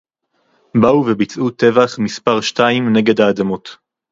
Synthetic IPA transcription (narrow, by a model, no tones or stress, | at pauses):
bauvebit͡sʔut̪e̞vaχmispaʁʃtaimne̞ɡe̞d̪haːd̪amo̞t̪